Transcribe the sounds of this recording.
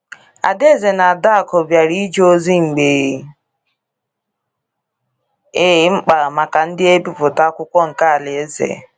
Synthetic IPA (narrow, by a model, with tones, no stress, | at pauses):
a̰˨de˦˨ze˨na˨a˨da˦a˨kɔ˨bja˨ɾi˦d͡ʒo˦zi˦ŋ͡m̩˨ɡ͡be˨ | e˦ŋ͡m̩˦k͡pa˨ma˨ka˨n̩˦dɪ˦e˦bi˦pʊ˨ta˦kʷʊ˦kʷɔ˦ŋ̩˨ka˦a˨le˨e˦zḛ˨